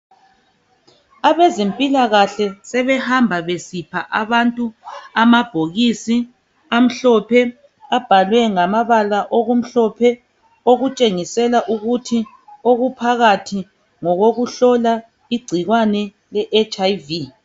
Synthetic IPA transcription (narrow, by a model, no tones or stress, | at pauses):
aβɛzempʼilaɣaɬɛsɛβɛhambʱaβesipʰaʔaβantʼuamab̥ʱoɣisi | am̩ɬɔpʰɛ | ab̥ʱalwɛŋamaβalaʔoɣom̩ɬɔpʰɛ | oɣut͡ʃʼeŋisɛlaʔuɣutʰi | oɣupʰaɣatʰi | ŋɔɣoɣuɬɔla | iɡ͡ǀʱiɣwanɛ | lɛʔet͡ʃʼajvi